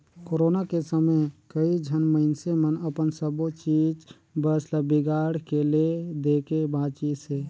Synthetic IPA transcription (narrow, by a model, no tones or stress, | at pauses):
koɾoːnakesəməkəid͡ʒʱənməɪnsemənəpənsəbot͡ʃiːd͡ʒ | bəsləbiɡaːɽkeled̪ekebãːt͡ʃise